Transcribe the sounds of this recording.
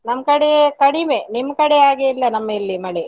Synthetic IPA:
nɐmːɐkɐɽekɐɽimenimːɐkɐɽeaːɡeilːɐnɐmːɐilːimɐɭe

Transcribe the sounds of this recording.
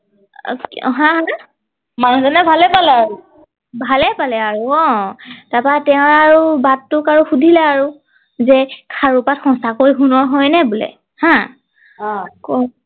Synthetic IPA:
ɦãɦa | manzɔnɛbʱalɛpalɛaɹu | bʱalɛpalɛaɹuɔ̃tapatɛʊ̃aɹubatːʊkaɹuxudʱilɛaɹu | zɛkʰaɹupatxɔ̃sakoɹjɦunɔɹɦɔjnɛbulɛ̰ | hã | kɔ

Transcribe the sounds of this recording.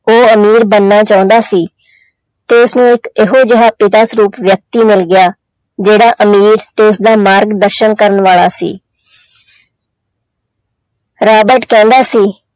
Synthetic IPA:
oːəmiːɾbənːaːt͡ʃaːʊ̃nd̪aːsiː | t̪eːʊsnũːɪkeɦoːd͡ʒəɦaːpɪt̪aːsɾuːpʋjək̚t̪iːmɪlɡɪjaː | d͡ʒeːɽaːʔəmiːɾt̪eːʊsd̪aːmaːɾɡd̪əɾʃənkəɾənʋaːlaːsḭː | ɾaːbəɾʈkɛ̃ːnd̪aːsiː

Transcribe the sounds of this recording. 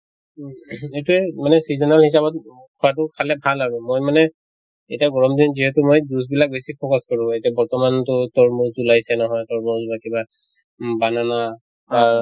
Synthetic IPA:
etuɛmanɛsizɔnalhis̬abɔt̚ | kʰɔwat̬ʊkʰalɛbʱalaɹʊmojmanɛ | ejtiaɡɔɹɔmdinziɦɛtʊmojdus̬bilak̚besipʰɔkaskɔɹʊ̃etiabɔɹtɔmantʊtɔɹmuɹzulajsɛnɔɦɔjtɔɹmɔzubakiba | banana | aɹ

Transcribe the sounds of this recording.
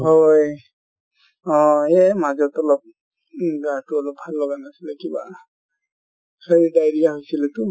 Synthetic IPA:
hoj | ɔ̃ɛmazɔtɔlɔp̚ | ɡatuɔlɔp̚bʱalːɔɡanasilɛkiba̰ | xeɹidajɹijaɦojsilɛtʊ

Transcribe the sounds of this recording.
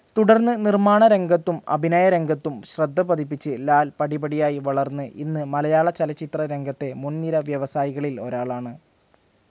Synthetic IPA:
t̪uɽɐrnːɨnirmaːɳɐɾe̞ŋɡɐt̪ːumɐ̰bʱinɐːjɐɾe̞ŋɡɐt̪ːumɕrɐd̪ʱːɐbɐd̪ipːit͡ɕːɨlaːlpɐɽibɐɽijaːjiʋɐɭɐrnːɨʔinːɨmɐlɐjaːɭɐt͡ɕɐlɐt͡ɕːit̪rɐɾe̞ŋɡʱɐt̪ːe̞munːiɾɐʋjɐʋɐsaːjiɣɐɭilo̞̰ɾaːɭaːɳɨ

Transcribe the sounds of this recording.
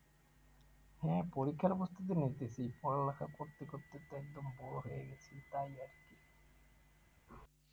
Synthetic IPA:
hɛ̃poɾikʰːaɾɔpost̪ʰit̪̬init̪et͡ɕʰipɔɾolakʰakoɾt̪ːikot̪ːet̪ɛk̚d̪ombɔɽoɦojeɡet͡ɕʰit̪ajaɾki

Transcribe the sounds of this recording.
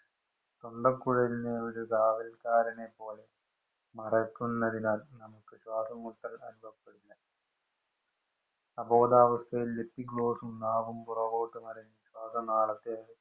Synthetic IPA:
t̪o̞ɳɖɐkːuɻɐineɐɽuɡaːʋɐlkaːɾɐnepːo̞ːle̞ | mɐrɐkːunnɐɽinaːlnɐmukːɨɕwaːsɐmːuʈːɐlɐ̰ɾubʱɐpːeɽulːɐ | ɐbo̞ːd̪aːʋɐst̪ʰɐjilːepːiɡɭo̞ːsumnaːʋumpurɐʋoːʈːɨmɐɾɐniɕwaːsɐnaːɭɐt̪ːeɐ

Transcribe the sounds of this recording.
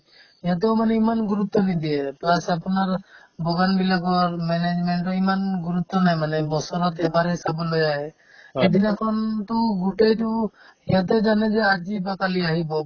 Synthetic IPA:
ɛjat̪̬ɛmanɛimanɡuɾut̪ːɔnid̪ieplasapɔnaɾbɔɡanbilaɡɔɾmɛned͡ʒmɛɳʈɔimanɡuɾut̪ːɔnajmanɛbɔsɔɾɔt̪ɛbaɾɦisabɔlɔjaɦɛ | ɛd̪inakʰɔnt̪ɔɡuʈejt̪u | ɛjat̪̬ɛd͡ʒanɛd͡ʒɛaɾd͡ʒibakaliaɦibɔ

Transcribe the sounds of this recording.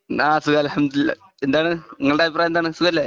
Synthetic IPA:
aːsukaːlɐlhɐmd̪ulilːa̰ | end̪aːɳɨniŋːɐɭɽeːip̬ːraːjend̪aːɳɨsukaːlːe

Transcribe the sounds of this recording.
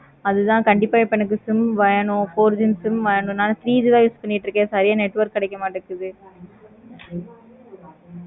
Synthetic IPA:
ɐðɯt̪ãːkɐɳɖɪpːaːjpɐɳːɯk̬ːɯsɪmʋɐjɐɳʊ̃foːɾd͡ʒɪnsɪmʋɐjɐɳʊ̃naːnt̪ɾiːd͡ʒɯt̪ãːjuːspɐɳːɪʈːɾɯkːẽːsɐɾɪjaːnɛʈːʋɐɾkːɐɽɛɪkːɐmaːʈːɐɾɯkːɯðɯ

